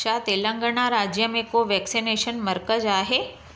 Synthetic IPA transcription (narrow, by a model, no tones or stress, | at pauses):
at̪elə̃ŋɡəɳ̃aɾad͡ʑjəmẽkoʋɛksineʃənməɾkəd͡ʑaːɦe